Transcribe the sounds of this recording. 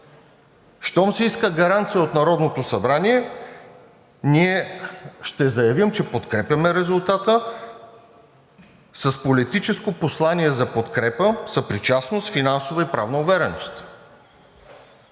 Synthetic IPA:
ʃt̪ɔmsɛiskəɡɐɾant̪sijəot̪nɐɾɔd̪not̪osɐbɾaniɛ | niɛʃt̪ɛzɐjɐvimt͡ʃɛpot̪kɾɛpʲjɐmɛɾɛzʊlˠt̪at̪ə | sɐspolit̪it͡ʃɛskoposlˠaniɛzɐpot̪kɾɛpəsɐpɾit͡ʃasnost̪finansovɐipɾavnɐʊvɛɾɛnost̪

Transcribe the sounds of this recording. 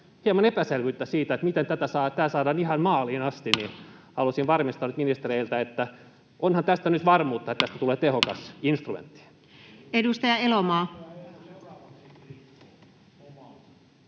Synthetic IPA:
hiemɑnepæselʋyt̪ːæsiːt̪æet̪mit̪ent̪æt̪æsɑːt̪æːsɑːdɑːnihɑnmɑːliːnɑst̪inihɑlusinʋɑrmist̪ɑnːyt̪minist̪ereilt̪æet̪ːæ | ʔonhɑnt̪æst̪ænyt̪ʋɑrmuːt̪ːɑet̪t̪ːæst̪æt̪uleːt̪ehokɑsinst̪rumḛnt̪ːi̥ | edust̪ɑjɑelomɑː

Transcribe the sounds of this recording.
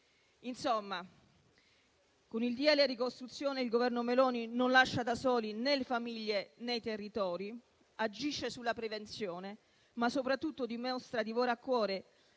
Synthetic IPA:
insomːa | konild̪jɛleɾikost̪ɾut̪sːjoːneilɡovɛrnomelɔːninonlaʃːad̪asɔːlinelefamiʎːenejt̪erːit̪ɔːɾi | ad͡ʒiʃːesulːapɾevent̪sjoːne | masːopɾat̪ːut̪ːod̪imɔst̪ɾad̪ivoːɾaːkːwɔːɾe

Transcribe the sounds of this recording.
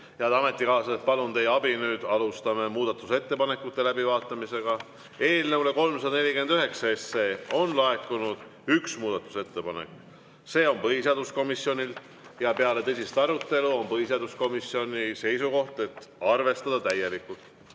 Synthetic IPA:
jɑd̪ɑme̞t̪ːˑikɑːsɑet̪̚pɑlunt̪e̞jɑbinyːd̪̥ɑlust̪ɑme̞muːd̪̥ɑt̪ːˑuse̞t̪ːe̞pɑne̞kːˑut̪ːe̞læbivɑːt̪ˑːɑmise̞ɡ̥ɑ | e̞ːlneule̞ko̞lmsɑd̪ɑne̞lʲike̞nd̪yɦe̞ksɑe̞sːeːo̞nlɑe̞kːˑunud̪̥ | yksmuːd̪̥ɑt̪ːˑu̥se̞t̪ːe̞pɑnḛkː | se̞ːo̞npɤhisiɑːd̪usko̞misjo̞nʲil | jɑpe̞ɑle̞t̪ɤsʲist̪ɑɾut̪ˑːe̞luo̞npɤɦis̬ieɑːd̪usko̞misio̞nʲise̞jsuko̞ht̪e̞t̪ːɑrve̞st̪ɑd̪̥ɑt̪æje̞likːˑult̪

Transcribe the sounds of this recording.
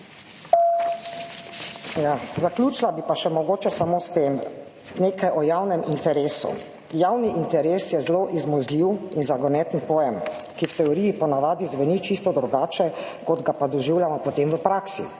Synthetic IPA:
jazaklʲuːt͡ʃlabipaʃɛmɔɡoːt͡ʃɛsamoːst̪em | neːkajʔɔjawnɛmint̪ɛɾeːsṵ | jawniʔint̪ɛɾeːsjɛzloʔizmɔzlʲiwinzaɡɔnɛt̪ənpɔjɛmkiwt̪ɛɔɾiipɔnaʋaːd̪izʋɛnit͡ʃist̪ɔd̪ɾuɡaːt͡ʃɛ | kɔd̪ɡapad̪ɔʒiwljamɔpɔt̪emʋəpɾaːksḭ

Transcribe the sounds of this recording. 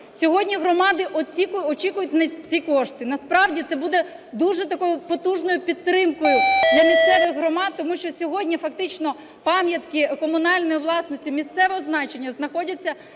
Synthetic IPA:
sʲɔɦɔdʲnʲiɦɾɔmɑd̪ɪʔɔt͡sʲikʊjʊɔt͡ʃikʊjʊtʲnɐt͡sʲikɔʃt̪ɪnɐspɾɑʋdʲit̪sɛbud̪ɛ | d̪uʒɛt̪ɐkɔjʊpɔt̪uʒnɔjʊpʲid̪ːɾɪmkʊjʊd̪lʲɐmʲist̪ɛʋɪɣɦɾɔmɑd̪̚t̪ːɔmuʃt͡ʃɔsʲɔɦɔdʲnʲifɐkt̪ɪt͡ʃnɔ | pɑmʲjɐt̪kɪkɔmʊnɑlʲnɔjʊʋlˠɑsnɔsʲtʲʊmʲist̪sɛʋɛɔznɑt͡ʃe̞nʲːɐznɐxɔdʲɐt͡sʲːɐ

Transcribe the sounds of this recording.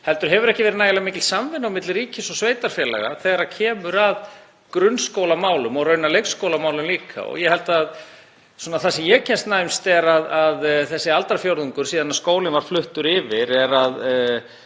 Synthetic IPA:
hɛlt̪ʏɾ̥ɦɛvʏɾɛhcɪvɛːɾɪnaːjlamɪːcɪlsamvɪnːawmɪt̪lɾiːcɪsɔsveːjt̪aɾ̥fjɛːla̰ɣa̰θɛɣɾacʰɛːmʏɾað | kɾʏnskoːwlamaːwlʏmɔɣɾœːɥnalejxskowlamaːwlʏmliːkʰa̰ɔ̰ɣjɛhɛlt̪að | sɔːnaθasɛmjɛcʰɛnst̪najmst̪ɛɾaðaðθɛsːɪalt̪aɾfjowɾðʏŋkʏɾ̥siːðanaðskoːwlɪnvaɾ̥flʏht̪ʏɾɪvɪɾɛɾað

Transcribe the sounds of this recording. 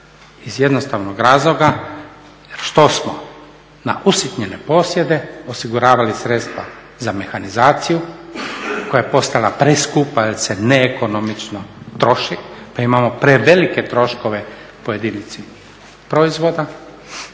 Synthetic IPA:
izje̞d̪nost̪aʋnoɡɾaːzlo̞ɡa | jeɾʃt̪o̞smo | na̰ʔusit̪ɲene̞po̞sje̞d̪e̞o̞siɡuɾaːʋalisɾet̪st̪ʋa̰ | zame̞xanizaːt̪siju | ko̞jajepo̞st̪alapɾeskupajelseneːko̞nomit͡ʃnot̪ɾo̞ʃipaimamopɾeʋe̞like̞t̪ɾo̞ʃko̞ʋe̞ | poje̞d̪init̪si | pɾo̞izʋod̪a

